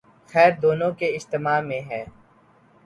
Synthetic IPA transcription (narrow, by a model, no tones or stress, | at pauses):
xɛːɾd̪oːnõkeɪd͡ʒt̪ɪmaːmẽɦɛː